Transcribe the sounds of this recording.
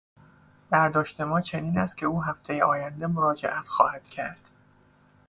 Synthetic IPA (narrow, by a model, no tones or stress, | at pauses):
b̥æɾd̪ɒːʃt̪e̞mɒːt͡ʃʰe̞niːnæst̪̚cʲʰe̞uːɦæft̪ʰe̞jeʔɒːjænd̪e̞mo̞ɾɒːd͡ʒe̞̰ʔæt̪ʰxɒ̰ːhæd̪̥cʰæɾd̪̥